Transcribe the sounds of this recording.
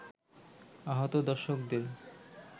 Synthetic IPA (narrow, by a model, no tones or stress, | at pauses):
aɦot̪od̪ɔɾʃok̚d̪eɾ